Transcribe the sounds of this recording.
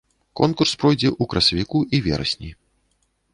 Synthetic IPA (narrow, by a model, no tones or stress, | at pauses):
kɔnkurspɾɔjd͡zʲɛʔukɾɐsɐvʲikuʔivʲɛ̰ɾɐ̰sʲnʲi